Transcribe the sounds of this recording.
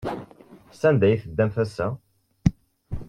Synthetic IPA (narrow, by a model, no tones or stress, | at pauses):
sænd̪æjθəd̪ːæmθæsːæ